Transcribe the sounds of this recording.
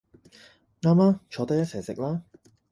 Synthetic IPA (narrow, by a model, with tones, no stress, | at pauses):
ŋaː˥mlaː˥t͡ʃʰɔː˨˥t̪ɐ˥jɐ˥t̚sɛː˨˩sɪ̰˨k̚laː˥